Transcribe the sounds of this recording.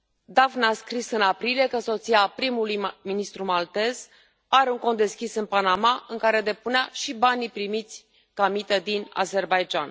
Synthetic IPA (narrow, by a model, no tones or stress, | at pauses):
d̪avnaskɾisɨnapɾilije̞kəso̞t̪siapɾimulujminist̪ɾumalt̪e̞z | aɾeuŋko̞nt̪d̪e̞skʲisɨnpanamaʔɨŋkaɾe̞d̪e̞puneaʃibanipɾimit̪sʲ | kamit̪əd̪ina̰ze̞rbajd͡ʒan